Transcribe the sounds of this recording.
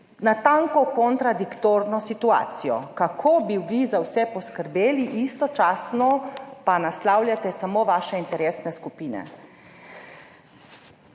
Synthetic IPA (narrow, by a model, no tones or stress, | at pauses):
nat̪ãŋkɔkɔnt̪ɾad̪ikt̪oːɾnɔsit̪ua̰ːt̪sijɔ̰kakʰobiʋizawsɛpɔskəɾbeːliʔist̪ɔt͡ʃaːsnɔpanaslaːwljat̪ɛsamoʋaːʃɛint̪ɛɾeːsnɛskupiːnɛ̰